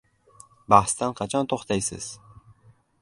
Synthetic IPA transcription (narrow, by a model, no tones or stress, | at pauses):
bɑχst̪ɑnqʰɑt͡ʃʰɑnt̪ʰoχt̪ɑjsɨ̰z̥